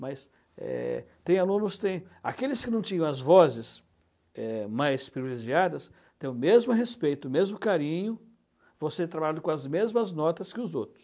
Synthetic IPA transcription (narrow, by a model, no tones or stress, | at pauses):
mɐjs | ɛ̰t̪ẽj̃alũnʊst̪ẽj̃a̰kelɪskɪnɐ̃w̃t͡ʃĩɲɐ̃w̃ɐzvɔzɪs | ɛmajspɾivileʒiad̪ɐs | t̪ẽj̃ʊmezmʊɦespejt̪ʊmezmʊkaɾĩɲʊ | voset̪ɾabalʎãd̪ʊkõɐzmezmɐznɔt̪ɐskɪʊzowt̪ɾʊ̥s